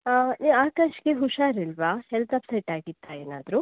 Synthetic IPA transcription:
niʋaːkaːʃkeɦuʃaːɾilʋaːhɛlt̪ɐpsɐjʈaːɡit̪ʰːaeːna̰ːd̪ɾu

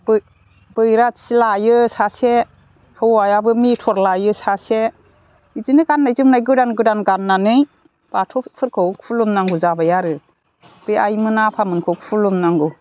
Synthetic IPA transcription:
b | bɯjɾasilajɯsase | hɯwajabɯmitʰɔɾlajɯsase | izinɯɡanːajzɯmnajɡɯdanɡɯdanɡanːanɯj | b̥atʰɔpʰɯɾkʰɯwkʰulumnaŋɡuzabajaɾɯ | b̥ɯjajmɯnapʰamɯnkʰɯwkʰpʰulumnaŋɡu

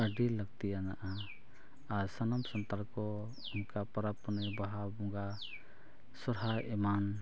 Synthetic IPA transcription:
aɖilːəɡ̚t̪ijanaʔa | aɾsənɔmsɔnt̪alkɔ | unkapəɾapənebaɦabuŋɡa | sɔɾɦaɛman

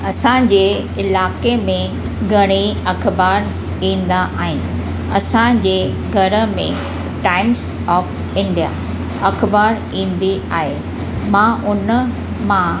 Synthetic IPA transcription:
ɐsãd͡ʑeː | ɪlaːkemẽ | ɡʱɐɽ̃iɐkʰbaːɾ | ĩːn̆d̪aʔaːɦɪnɪ̆ | ɐsãd͡ʑeː | ɡʱɐɾə̆mḛ̃ | ʈaːɪms | ɔːf | ɪ̃ɳɖija̰ | ɐkʰbaːɾ | ĩːn̆d̪iaːɦe | mãʔʊn | mã

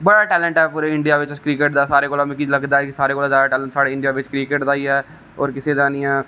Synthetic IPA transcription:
bəɽaːʈɛːlə̃ɳʈɛːpuːɾeːɪɳɖijaːʋɪt͡ʃkɾiːkeːʈd̪aːsaːɾeːkoːlaːmɛ̃ːkiləɡd̪aːɛkɪsaːɾeːkoːlazjaːd̪aːʈɛːləɳʈsaːɽeːɪɳɖijaːʋɪt͡ʃkɾiːkeʈd̪aːiːɛː | ɔ̰ːɾkɪseːd̪aːniːɛː

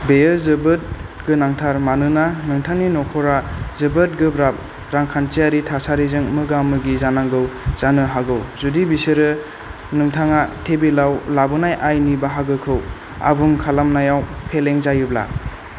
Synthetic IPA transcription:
bejɯzɯbɯt̚ | ɡɯnaŋtʰaɾmanɯnanɯŋtʰaŋninɔkʰɔɾazɯbɯt̚ɡɯbɾap̚ | ɾaŋkʰantijaɾitʰasaɾizɯŋmɯɡamɯɡizanaŋɡɯwz̥anɯɦaɡɯwzudibisɯɾɯ | nɯŋtʰaŋatʰebilawlabɯnajʔajnibaɦaɡɯkʰɯw | a̰buŋkʰalamnajawpʰeleŋzajubla̰

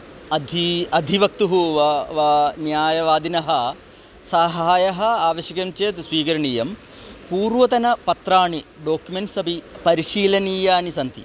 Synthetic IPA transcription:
ɐd̪ʱiɐd̪ʱiʋɐk̚t̪uɦuʋɐʋɐnjaːjɐʋaːd̪inɐɦɐ̆ | sɐɦaːjɐɦɐaːʋɐʃjɐkɐmt͡ʃeːt̪sʋiːkɐɾɐɳiːjɐm | puːɾʋɐt̪ɐnɐpɐt̪ɾaːɳiɖoːkjumeɳʈsɐbʱipɐɾiʂiːlɐniːjaːnisɐnt̪ḭ

